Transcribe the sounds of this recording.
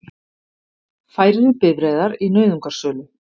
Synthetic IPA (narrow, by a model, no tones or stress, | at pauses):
faːjɾɪɾʏpɪvɾejðaɾinœːɥðuŋkaɾ̥sœːlʏ